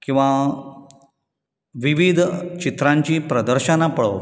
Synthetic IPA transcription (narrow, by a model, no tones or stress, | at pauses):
kĩw̃ʋa | ʋiʋid̪ʱt͡ɕit̪ɾãɲt͡ɕiːpɾəd̪əɾɕənapəɭo̰